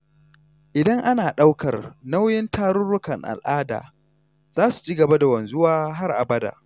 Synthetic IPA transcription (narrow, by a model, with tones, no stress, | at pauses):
ʔɪ˨dɐ˦ŋʔa˦naː˨ɗa˦wkɐ˨rna˦wjɪ˦ntʰaː˦ɾʊ˦nɽʊ˦kɐ˨ŋʔa̰˨lʔaː˦da̰ː˨ | z̥aː˦su̥˨t͡ʃi˦ɡɐ˨ba˦da˨wɐ˨nzʊ˦waː˦ɦa˦rʔa̰˨bɐ˦da̰ː˨